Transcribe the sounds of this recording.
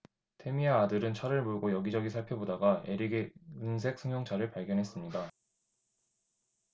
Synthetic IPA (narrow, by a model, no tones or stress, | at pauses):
tʰe̞miaːdɯɾɯnt͡ɕʰaɾɯɭmuɭɡojʌɡid͡ʑʌɡisʰaɭpʰjebodaɡaeɾiɡeɯns̬ʰe̞k̚s͈ʰɯŋjoŋt͡ɕʰaɾɯɭpaɭɡjʌnɦe̞s͈ɯmɲida